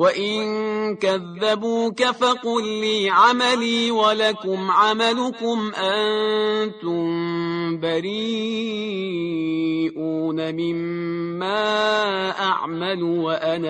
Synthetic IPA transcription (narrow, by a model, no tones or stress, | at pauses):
waʔɪnkaðːabuːkafaqʊlːiːʕamaliːwalakʊmʕamalʊkʊmʔant̪ʊmbaɾiː | ʔuːnamɪmː | aːʔaʕmalʊwaʔanaː